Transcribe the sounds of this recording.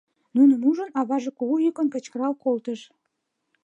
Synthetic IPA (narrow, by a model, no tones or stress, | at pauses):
nunə̆muʒənɑβɑʒekuɣujykənkə̆t͡ɕkəɾɑwkolt̪əʃ